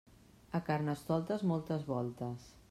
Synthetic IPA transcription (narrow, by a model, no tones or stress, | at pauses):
əkarnəst̪ɔlˠt̪əzmɔlˠt̪əzβɔlˠt̪əs